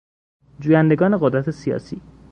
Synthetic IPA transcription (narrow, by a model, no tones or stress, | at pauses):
d͡ʒuːjænd̪e̞ɡɒːne̞ɣod̪ɾæt̪ʰe̞siɒ̰ːsiː